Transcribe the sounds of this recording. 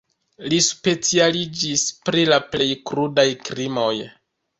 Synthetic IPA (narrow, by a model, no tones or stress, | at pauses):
lispe̞t͡sialid͡ʒispɾilaple̞jkɾudajkɾimo̞j